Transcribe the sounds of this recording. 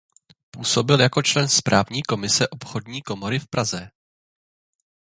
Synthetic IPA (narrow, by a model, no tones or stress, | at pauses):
puːso̞bɪljakot͡ʃlɛnspɾʔaːvɲiːko̞mɪsɛʔo̞pxo̞dɲiːko̞mo̞ɾɪfpɾazɛ